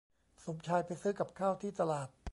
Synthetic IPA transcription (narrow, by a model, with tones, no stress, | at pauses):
so˩˦mt͡ɕʰaː˧jpa˧jsɯː˦˥˩ka˨˩p̚kʰaː˥˩wt̪ʰiː˥˩t̪a˧laː˨˩t̪̚